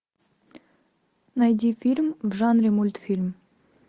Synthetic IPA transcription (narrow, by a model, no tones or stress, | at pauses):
nɑjd̪ʲifʲilʲmvʒɑnrʲemulʲt̪fʲilʲm